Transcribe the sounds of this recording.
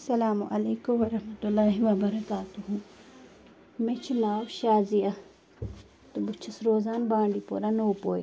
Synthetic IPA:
sɐlaːmuʔɐleːkumʋɐɾɐhmɐt̪ulːaːɦiʋɐbɐɾɐkaːt̪uɦũ | mẽt͡ʃʰinaːwʃaːziɐ | t̪ubʊt͡ʃʰɐsɾoːzaːnbãːɳɖiːpoːɾanoːpoːj

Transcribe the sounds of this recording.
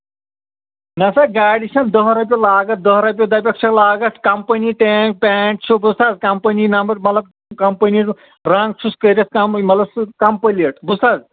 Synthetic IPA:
nɐsaɡaːɖiʃɐnd̪ɔɦɾɐp̬ʲjolaːɡɐt̪̚d̪ɐɦɾɐp̬ʲjod̪ɐpʲjɐkʃʰɐklaːɡɐt̪ʰkɐmpɐniʈeːŋk̚peːʈt͡ʃʰubust̪aːzkɐmpɐninɐmbɐɾmɐt̪lɐb̚ | kɐmpɐni | ɾaŋɡ̚t͡ʃʰuskəɾʲɐskɐmmɐt̪lɐbskɐmpəliɐʈbusaːz

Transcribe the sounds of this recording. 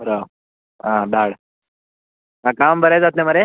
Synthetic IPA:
əɾaw | ɦãd̪aɽ | ãkambʱəɾajd͡zat̪leməɾe

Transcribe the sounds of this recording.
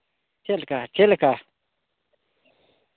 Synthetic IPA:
t͡ʃʰelkat͡ɕʰelka

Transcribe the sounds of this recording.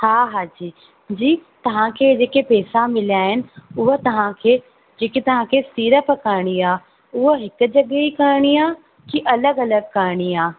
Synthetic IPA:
haːɦaːd͡ʑiː | d͡ʑiːt̪ɐʋ̤ãkʰeːd͡ʑeːkepɛːsamɪlijaːɦɪnɪ̆ʊɦə̆t̪ɐʋ̤ãkʰeː | d͡ʑeːket̪ɐʋ̤ãkʰeːsiːɾəpkaːɾɪɽ̃iaː | ʊɦəɦɪkʊ̆d͡ʑɐɠeikɐɾɪɽ̃iaː | kiʔɐləɡɐləɡkaːɾɽ̃iaː

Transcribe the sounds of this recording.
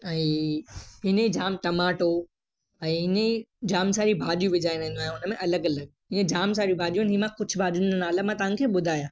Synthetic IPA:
ɛ̃ː | ɦɪneid͡ʑaːmʈ̪ɐmaːʈo | ɛ̃ːɪneid͡ʑaːmsaːɾibʱaːɗijũʋɪd͡ʑaːinẽːnd̪oaɦj̃ɦʊnəmẽʔɐləɡɐləɡ̚ɦɪnẽd͡ʑaːms̬aːɾijubʱaːʄijũnɦimãkʊd͡ʑʰʱbʱaːɗʊ̃nənaːlamãt̪ɐʋãkʰeːɓʊd̪ʱaːjãː

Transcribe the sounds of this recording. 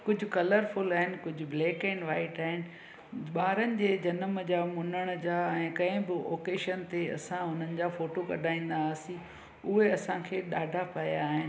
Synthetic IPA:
kʊd͡ʑʱʊ̆kɐləɾfʊlaːɦɪnɪ̆kʊd͡ʑʱʊ̆bleːkɛ̃ɳɖʋaːɪʈaːɦɪnɪ̆ | ɓaːɾənɪ̆d͡ʑeːd͡ʑɐnəmd͡ʑaːmʊnəɽ̃d͡ʑaːɛ̃ːkɐ̃ɦɪ̃bɪʔo̰ːkeːʃənt̪eɐ̰sãɦʊn̤ənɪ̆d͡ʑaːfoːʈokɐ̰ɖʱaːĩːn̆d̪asĩ | ʊɦeɐsãkʰeːɗaːɖʱapɐjaːɦɪnɪ

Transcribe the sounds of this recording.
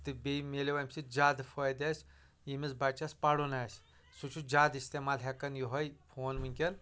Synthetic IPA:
t̪ɨbemeleʋɐmʲsid͡ʒaːd̪fojd̪ɐsʲ | jimisbat͡ʃɐsʲpɐɽunaːsʲ | sut͡ʃʰud͡ʒaːd̪ist̪emaːlɦʲɛkɐnjoɦɐjfʰoːnmɨnʲkʲɐn

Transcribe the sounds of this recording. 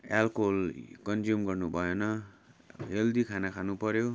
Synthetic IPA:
alkolkʌnd͡zumɡʌrnubʱʌjonʌ | ɦeld̪ikʰanakʰanupʌɾjo

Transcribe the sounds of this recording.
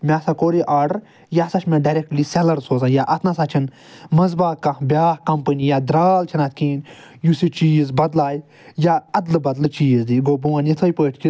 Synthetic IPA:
mʲaːsakoːɾiʔaːɾɖəɾ | jasat͡ʃʰmẽɖaɾek̚ʈlisɛlɐɾsoːzãːjaːʔɐt̪ʰnasaːt͡ʃʰin | mɐzbaːkɐ̃bʲjaːhkɐmpənijaːd̪ɾaːlt͡ʃʰinat̪̚ʰkiːn | jusit͡ʃiːzbɐd̪laːj | jaːɐd̪lɨbɐd̪lɨt͡ʃiːzd̪iɡoːbuwãnit̪ʰoːjpəːʈʰki

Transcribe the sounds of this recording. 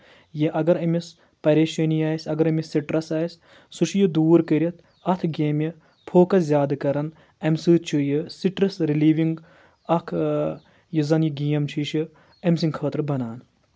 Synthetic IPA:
jiʔɐɡɐɾɐmis | pɐɾʲeːʃɐnijaːjsʲɐɡɐɾɐmisiʈɾɐsaːisʲ | sut͡ʃʰjid̪uːɾkɐɾʲɐt̪̚ʰ | ɐt̪ʰɡeːmji | pʰoːkɐszʲjaːd̪kɐɾɐn | ɐmsɨːt͡ʃʰijisiʈɾɐsɾiliːʋiŋɡ | ɐkʰ | jizɐnjiɡijɐmt͡ʃʰiʃi | ɐmsiŋkʰɐːt̪ɾɨbɐnaːn

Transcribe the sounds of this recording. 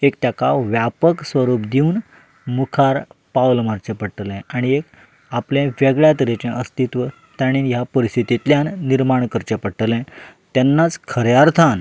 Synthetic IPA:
ekt̪jakaʋjapəksʋəɾuːpd̪iun | mukʰaɾpawlmaɾt͡ɕepəɽʈəlɛ̃aɽ̃iek | aplẽʋɛɡɭjat̪ɾet͡ɕẽʔəst̪it̪ʋə | t̪jaɽ̃injapəɾist̪ʰit̪it̪ljanːiɾmaɳkəɾt͡ɕepəʈəlɛ̃t̪ɛnːat͡skʰəɾjaɾt̪ʰan

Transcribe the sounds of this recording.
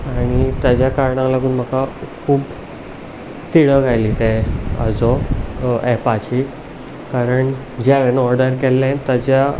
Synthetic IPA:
aɽ̃it̪jad͡ʑjakaɾɳãlaɡuːnm̤əkakʰuːb | t̪iɽəɡʱajliːt̪ɛə̰d͡zɔ | ɛpat͡ɕi | kaɾəɳ | d͡ʑɛʋɛnɔɾdəɾkɛlːãt̪ad͡ʑja

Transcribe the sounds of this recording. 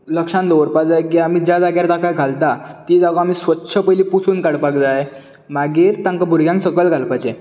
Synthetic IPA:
ləkʂãnd̪oʋəɾpad͡zakiam̤iːd͡ʑjad͡zaɡjaɾt̪ãkaɡʱalt̪at̪id͡zaɡəam̤iːsʋətːɕʰəpəjliːpusuːnkaɽpaɡd͡z̪ae | maɡiɾt̪ãŋkabʱuɾɡjãŋɡsəkəlɡʱalpajd͡ʑe

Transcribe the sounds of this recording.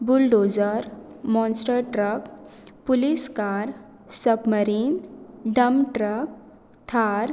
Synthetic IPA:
bulɖod͡zəɾ | mɔ̃nsʈəɾʈɾəkpuliskaɾ | səpməɾinɖəmʈɾək̚ | t̪ʰaɾ

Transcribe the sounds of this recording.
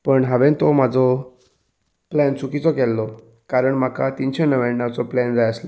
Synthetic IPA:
pəɳɦaʋẽnt̪omad͡zʱɔ | plænt͡sukit͡sɔkɛlːɔ | kaɾəɳm̤akat̪int͡ɕenəʋɛɽnat͡sɔplɛnd͡zajəslɔ

